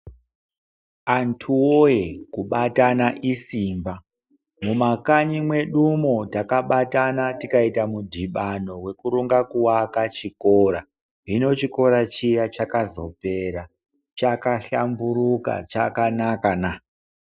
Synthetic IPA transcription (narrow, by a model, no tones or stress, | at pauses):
antʰuwojekuɓatanaʔisiːmba | mumakaɲimwe̞ɗumo̞takaɓatanatikaitamudʱiɓano̞we̞kuɾuŋɡakuwakat͡ʃikoɾa | ɦino̞t͡ʃiko̞ɾat͡ʃijat͡ʃakazo̞pe̞ɾa | t͡ʃakaɬambuɾuka̰t͡ʃakanakana